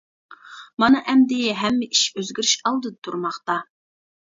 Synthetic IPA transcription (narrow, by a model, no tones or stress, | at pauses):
mɑnɑʔɛmd̪ɪjɛɦɛmːɛiʃøzɡʲyɾyʃɑlˠd̪ɨd̪ɨt̪ʰuɾmɑχt̪ɑ